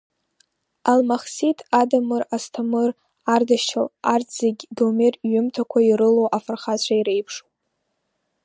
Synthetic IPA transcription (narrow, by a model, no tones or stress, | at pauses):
almaχsitʰadamɨrastʰamɨr | ardaʃʰalarzeɡʲdomerɥʏmtʰakʷʰairɨlowʔafarχat͡ɕʷʰaiɾejpʰʂo̥